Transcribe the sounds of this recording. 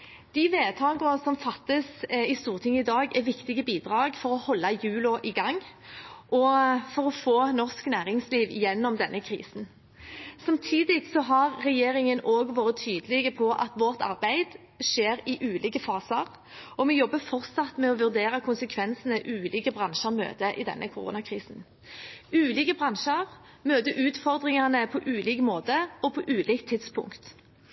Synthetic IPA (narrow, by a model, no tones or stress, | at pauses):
d̪̥ɪʋeːt̪ʰɑːɡəʁəsɔmfɑt̪ːəsɪst̪uːʁt̪ʰɪŋːəɪd̪ɑːɡɛʋɪkt̪ɪɡəbiːd̪ʁɑːɡfɔɾɔhɔlːɑjʉːlʊʔɪɡɑŋː | ʔɔfɔɾɔfoːnɔʁsknæːɾɪŋsliːʋjɛnːɔmd̪ɛnːəkʰɾḭːsn | sɑmt̪ʰiːd̪ɪsɔɦɑɾːɛjeːɾɪŋənoːɡʋɑːɾət̪ʰyːd̪əlɪɡəpʰɔʔɑ̰t̪ʋɔʁt̪ʰɑ̰ʁbæɪd̪ | ʂeːɾɪʔʉːlʔiːkəfɑːsəʁ | ɔmɛjɔbːəfɔʁt̪sɑt̪mɛɔʋʉʁd̪eːɾɑkʰʊnsəkʰʋɛnsən̩əʔʉːlʔiːkəbʁɑnʃəʁmø̰ːt̪əʔɪd̪ɛ̰nʔə̰kʰʊʁṵːnɑkʰʁiːsn | ʉːliːkəbʁɑnʃəʁ | møːt̪əʔʉːt̪fɔʁd̪ʁɪŋɑnəpʰɔʔʉːliːkmoːt̪əɔpʰɔʔʉːliːk̚t̪ʰːɪt̪spʰʊ̰ŋkt̪